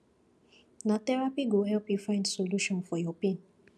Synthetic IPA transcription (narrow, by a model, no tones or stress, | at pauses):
natɛɹapiɡohɛlpjufãj̃ndsoluʃɔ̃nfɔjɔpĩn